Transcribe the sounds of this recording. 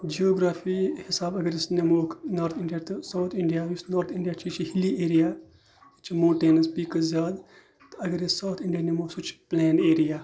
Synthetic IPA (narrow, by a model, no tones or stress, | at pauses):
d͡ʒioːɡɾaːfiːhɪsaːbɐɡəɾjɪsnɐmoːkʰnoːɾt̪ʰɪɳɖijaːt̪saːt̪ʰɪɳɖijaːjʊsnoːɾt̪ʰɪɳɖijaːt͡ʃʰit͡ʃʰihɪlieːɾijaː | t͡ʃʰmõːʈeːnɐspiːkɐzjaːd̪ | t̪ɐɡəɾjɪssɐwt̪ʰɪ̃ɳɖijaːnemoːsʊt͡ʃʰplɛːneːɾijaː